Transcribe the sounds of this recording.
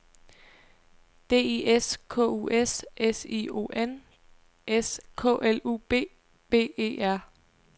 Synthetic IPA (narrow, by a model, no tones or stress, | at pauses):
d̥e̝̰ːieskʰɔ̰ːṵʔesʔesḭo̝̰ʔen | ʔeskʰɔ̰ʔeluːb̥e̝̰ː | b̥e̝̰ːe̝̰ːæɐ̰